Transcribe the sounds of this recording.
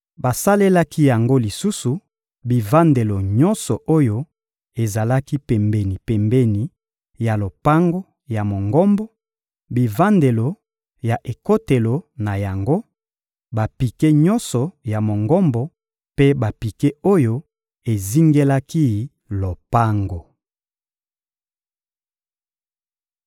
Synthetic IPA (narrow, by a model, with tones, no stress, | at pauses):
ba˨sa˦le˦la˦ki˦ja˨ŋɡo˦li˨su˦su˨ | bi˨va˦nde˨lo˨ɲɔ˦nsɔ˨ʔo˦jo˦ | e˨za˨la˦ki˦pɛ˨mbe˨ni˨pɛ˨mbe˦ni˨ | ja˨lo˨pa˦ŋɡo˦ | ja˨mo˨ŋɡɔ˦mbɔ˦ | bi˨va˦nde˨lo˨ | ja˨ʔe˨ko˦te˨lo˨na˨ja˨ŋɡo˦ | ba˨pi˨ke˦ɲɔ˦nsɔ˨ja˨mo˨ŋɡɔ˦mbɔ˨ | pe˦ba˨pi˨ke˦o˦jo˦ | e˨zi˦ŋɡe˦la˦ki˦˨ | lo˨pa˦ŋɡo˨